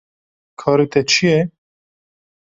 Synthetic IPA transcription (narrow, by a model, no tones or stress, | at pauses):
kʰɑːɾet̪ɛt͡ʃʰijɛ